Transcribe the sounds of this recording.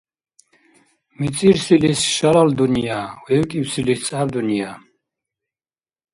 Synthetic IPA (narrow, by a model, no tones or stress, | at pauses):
mit͡sʼiɾsilisʃalald̪unijawɛwkʼiwsilist͡sʼavd̪unia